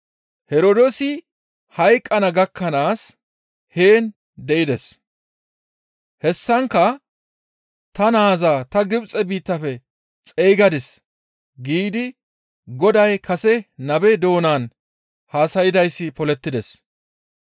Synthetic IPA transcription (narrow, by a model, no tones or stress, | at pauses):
hɛɾod̪osɪ | hɐjkʼːɐnɐɡɐkʰːɐnaːs | heːn | d̪ɛʔɪd̪ɛs | hɛsːɐŋkːɐ | t̪ɐnaːzaːt̪ɐɡɪbt͡sʼɛbiːt̪ːɐfɛ | t͡sʼejːɡɐd̪ɪs | ɡiːd̪ɪ | ɡɔd̪ɐjkʰɐsɛnɐbɛd̪o̞ːnaːn | haːsɐjɪd̪ɐjsːɪpɔlɛt̪ːɪd̪ɛs